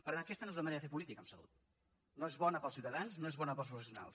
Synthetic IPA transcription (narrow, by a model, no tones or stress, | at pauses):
pəɾakɛst̪ənoezunəməɐneɾəðəfep̬ulit̪ikəmsəlṵt̪̚ | noezβɔnəpəlˠsiuwt̪əðansnoezβɔnəpəlˠpɾufəsjuna̰lˠs